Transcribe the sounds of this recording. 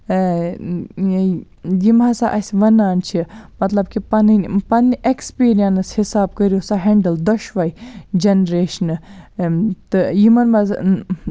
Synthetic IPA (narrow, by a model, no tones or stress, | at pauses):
jimasaʔɐsʲʋɐnaːnt͡ʃʰimɐt̪lɐbkipɐnnpɐnːʔekspiːɾijɐnshisaːb̚kəɾjosaɦeɳɖəld̪ɔʃʋɐid͡ʒenɾeːʃn | t̪ɨjimɐnmaz̰